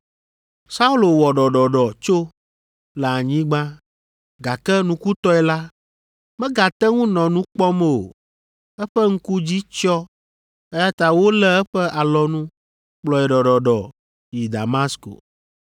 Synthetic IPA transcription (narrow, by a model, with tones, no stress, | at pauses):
sa˦u˦lo˨wɔ˨ɖɔ˨ɖɔ˨ɖɔ˨t͡ʃo˦ | lɛ˨a˨ɲĩ˦ɡ͡bã˦ | ɡa˨kɛ˦nũ˦ku˦t̪ɔ˦ɛ˨la˦ | mɛ̃˦ɡa˨t̪ɛ˦ŋũ˦nɔ̃˨nũ˦k͡pɔ˦m˦o̰˨ | ɛ˦ɸɛ˦ŋ̩˦ku˦d͡ʑi˦t͡ʃɔ˦ | ɛ˦ja˦t̪a˨wo˦lɛ˦ɛ˦ɸɛ˦ʔa˨lɔ˦nũ˦ | k͡plɔ˨ɛ˨ɖɔ˨ɖɔ˨ɖɔ˨ | ji˨d̪a̰˨ma˦sko̰˨